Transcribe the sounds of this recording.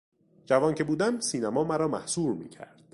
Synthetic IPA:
d͡ʒævɒːncʰe̞buːd̪æmsiːnæmɒːmæɾɒːmæhsuːɾmḭːcʰæ̰ɾd̪̥

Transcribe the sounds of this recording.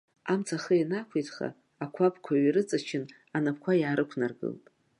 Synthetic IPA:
amt͡sʰaχəjanakʷʰejtʰχa̰ː | kʷʰapʰkʷʰaɥiɾɨt͡sʼat͡ʃʰɪn | anap̚ʰkʷʰajaːɾɨkʷʰnarɡɨ̰ltʼ

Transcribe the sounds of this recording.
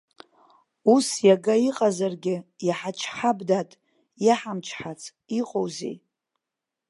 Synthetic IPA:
usjaɡaiqʼazarɡʲɪjaħat͡ʃʰħabdatʼ | jaħamt͡ʃʰħat͡sʰ | iqʼowzḛ

